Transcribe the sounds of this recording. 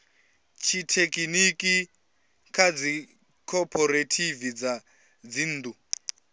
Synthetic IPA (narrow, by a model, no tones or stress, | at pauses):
t͡ʃʰitʰekʼinikʼi | kʰad͡zi | kʰɔpʰɔɾetʰivid͡za | d͡zin̩d̪u